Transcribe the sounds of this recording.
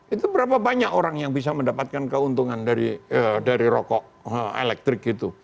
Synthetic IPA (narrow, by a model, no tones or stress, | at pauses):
ʔit̪ubəɾapabaɲakoɾaŋjaŋbis̬aməndapat̪̚kankəunt̪uŋandaɾiədaɾiɾɔkɔʔ | əḛlɛk̚t̪ɾɪk̚it̪u